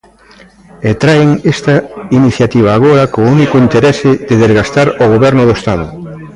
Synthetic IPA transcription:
et̪ɾaeŋest̪ɐiniθjat̪iβ̞aːɣoɾɐkounikoint̪eɾesɪd̪eðezɣast̪aɾoɣ̞oβɛɾnʊðoest̪að̞ʊ̰

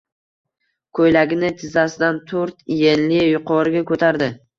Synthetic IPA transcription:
kʰojlaɡʲɪnɪt̪ʰɪzasɪd̪ant̪ʰɵɾt̪jenlɪjʊqʰɒɾɪɡʲakʰɵt̪ʰaɾd̪ɪ

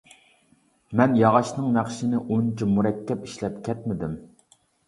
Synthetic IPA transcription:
mɛnjɑʁɑʃnɨŋnæχʃinɪʔunt͡ʃʰimuɾɛkʲʰːɛpiʃlɛpkʲʰɛt̪̚mɪd̪ɪm

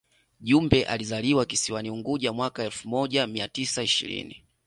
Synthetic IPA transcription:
ʄumbɛʔa̰lizaliwakisiwaniuŋɡuʄamwakaɛlfumɔʄamiatisaiʃḭɾḭni

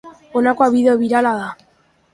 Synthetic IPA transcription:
onakoaβiðoβiɾalaða

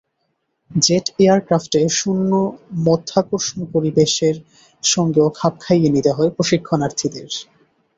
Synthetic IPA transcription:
d͡ʑeʈejaɾkɾafʈeʃunːomɔt̪ʰːakoɾʃonopoɾibeʃeɾ | ʃɔŋɡeokʰap̚kʰajenit̪eɦɔepɾoʃikʰːonaɾt̪ʰid̪eɾ

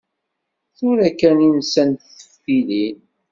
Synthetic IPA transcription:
θʊɾækæninsænt̪θə̥fːilin

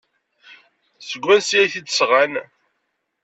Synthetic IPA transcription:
səɡʷːænsæθid̪sʁan

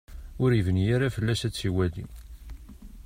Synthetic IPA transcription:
ʊɾivənjaɾafəlːæsæt͡sːiwælḭ

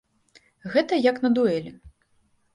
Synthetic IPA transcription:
ɣɛt̪ɐjɐknɐd̪uɛlʲi

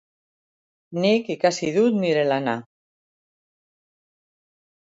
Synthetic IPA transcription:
nikikasiðut̪niɾelana

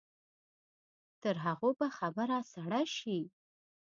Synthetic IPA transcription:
t̪əɾɦaɣobaxabəɾasaɽajʃi

